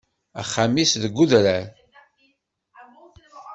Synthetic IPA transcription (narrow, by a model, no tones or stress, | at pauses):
æ̰χːamisðəɡʷːuðɾæɾ